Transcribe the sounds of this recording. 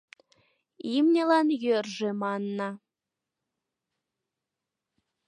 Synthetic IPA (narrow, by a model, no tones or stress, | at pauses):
imnʲelɑnjørʒĕmɑnːɑ